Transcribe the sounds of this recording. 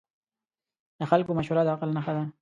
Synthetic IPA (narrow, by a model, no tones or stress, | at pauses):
d̪əxalkomaʃuɾad̪əaqəlnaxad̪a